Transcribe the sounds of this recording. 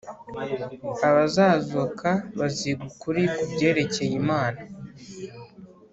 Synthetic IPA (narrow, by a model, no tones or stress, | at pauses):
aβazaːzukʰaβaziɡukuɾikubɟe̞ːɾe̞ce̞jimaːna